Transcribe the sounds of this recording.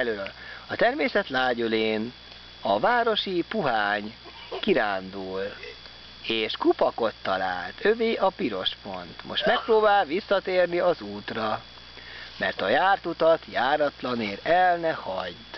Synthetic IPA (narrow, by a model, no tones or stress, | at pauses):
løːlɒt̪ɛrmeːsɛt̪laːɟuleːn | ɒvaːɾo̞ʃipuɦaːɲ | kiɾaːnd̪uːl | eːʃkupɒko̞t̪ːɒla̰ːlt̪ʰøveːʔɒpiɾo̞ʃpo̞̰nt̪mo̞̰ʃt̪mɛk̚proːbaːlʋisːɒt̪eːrniɒzuːt̪rɒ | mɛ̰rt̪ɒjaːrt̪ut̪ɒt̪jaːɾɒt̪lɒneːɾɛlnɛhɒɟt̪